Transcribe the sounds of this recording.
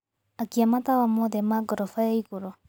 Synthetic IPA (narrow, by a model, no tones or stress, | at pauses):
akiamatawamɔðɛmaɡɔɾɔfaaiɣuɾɔ